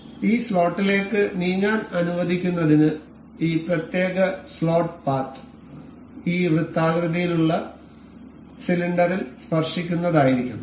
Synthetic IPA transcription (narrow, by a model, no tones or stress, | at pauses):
iːslo̞ːʈːile̞ːkːɨniːɲaːnɐnuʋɐd̪ʱikʲːunːɐðinɨ | iːprɐt̪je̞ːɣɐslo̞ːʈɨpaːrʈːɨ̥ | iːrɨt̪ːaːɡɾɨðijiluɭːɐ | siliɳɖɐɾilspɐrʂikʲːunːɐðaːjiɾikʲːum